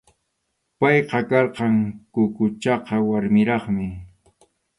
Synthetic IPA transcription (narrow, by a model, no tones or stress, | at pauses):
pɑjqɑkɑɾqɑŋkʊkʊt͡ʃɑqɑwaɾmɪɾɑχmɪ